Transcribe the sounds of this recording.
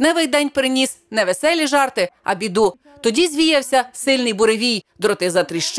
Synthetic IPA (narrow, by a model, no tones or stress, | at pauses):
nɛʋɪjd̪ɛnʲpɾɪnʲisnɛʋesɛlʲiʒɑrt̪ɪɐ̰bʲid̪u | t̪ɔdʲizʲʋʲijɐwsʲɐsɪlʲnɪjbʊɾeʋʲijd̪ɾɔt̪ɪzɐt̪ɾiʃt͡ʃ